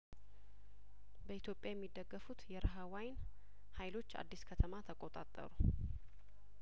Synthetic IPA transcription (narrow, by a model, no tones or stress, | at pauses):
bəit̪ʰjo̞pʼːjajɛmːid̪ːəɡːəfut̪jɛɾəɦawajn | hajlo̞t͡ʃːa̰d̪ːiskʰət̪ʰəmat̪ʰəkʼot̪ʼat̪ʼːə̰ɾu